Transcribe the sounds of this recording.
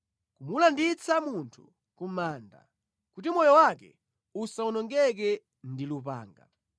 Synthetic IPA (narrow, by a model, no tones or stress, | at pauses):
kumulandit͡samuntʰu | kum̩maːnda̰ | kutimɔjɔwakɛ̰ | usaunɔŋɡɛk̬ɛ | ndilupa̰ːŋɡa̰